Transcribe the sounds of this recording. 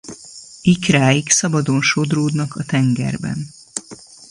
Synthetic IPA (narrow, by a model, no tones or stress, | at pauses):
ikraːjiksɒbɒd̪o̞nʃo̞d̪roːd̪nɒkɒt̪ɛŋɡɛ̰rbɛ̰n